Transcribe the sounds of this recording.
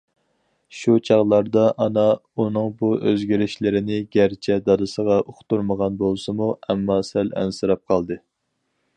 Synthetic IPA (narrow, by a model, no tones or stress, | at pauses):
ʃut͡ʃʰɑʁlˠɑɾd̪ɑʔɑnɑunɨŋbuøzɡʲiɾɪʃlɪɾɪnɪɡʲæɾt͡ʃʰɛd̪ɑd̪ɨsəʁɑʔoχt̪uɾməʁɑnbolˠsɨmuɛmːɑsælɛ̰nsɨɾɑp̚qʰɑlˠd̪ɨ